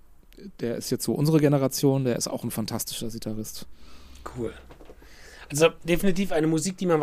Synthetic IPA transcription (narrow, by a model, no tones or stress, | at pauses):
d̥eːɐʔɪstjɛt͡stz̥oːʔʊnzəʁəɡenəʁat͡sjoːndeːɐɪsta̰ʊxn̩fantʰastɪ̥ʃɐzitʰaʁɪstkʰuːl | ʔalzod̥efinitiːfaɪnəmuziːk̚d̥iːmanv